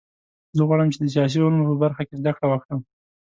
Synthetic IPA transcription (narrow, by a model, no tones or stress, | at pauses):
zəɣwaɽamt͡ʃed̪ət͡ʃɑʃ̬ionmopəbaɾxakʲezd̪akɽawakɽəm